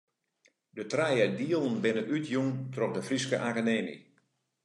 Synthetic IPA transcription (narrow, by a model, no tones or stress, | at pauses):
dətrajədiəlˠənbɪnənʔytʰjuŋtrɔxdəfriskə̰ʔakəneːnḭ